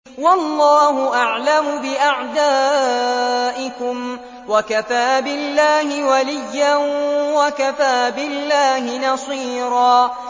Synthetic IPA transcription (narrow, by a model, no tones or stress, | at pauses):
wɑlˤːɑːɦʊʔaʕlamʊbɪʔaʕd̪aː | ʔɪkʊm | wakafaːbɪlːaːhɪwalɪjːanwakafaːbɪlːaːɦɪnɑsˤiːɾɑː